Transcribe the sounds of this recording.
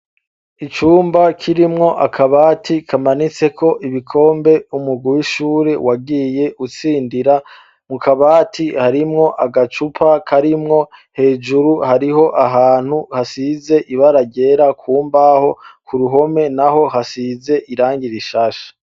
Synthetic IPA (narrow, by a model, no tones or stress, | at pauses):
it͡ʃuːmbakʰiɾimŋo̞ʔakʰaβaːtʰikʰamanit͡se̞kʰo̞ʔiβikʰo̞ːmbe̞umuɡuwiʃuːɾe̞waɡije̞ʔut͡siːndiɾa | mukʰaβaːtʰihaɾimŋo̞ʔaɡat͡ʃupʰakʰaɾimŋo̞he̞ːd͡ʒuɾuhaɾiɦo̞ʔaɦaːn̥huhasize̞ʔiβaɾaɟe̞ɾakʰuːmbaho̞kʰuɾuɦo̞me̞naɦo̞hasize̞ʔiɾaːŋɡiɾiʃaːʃḁ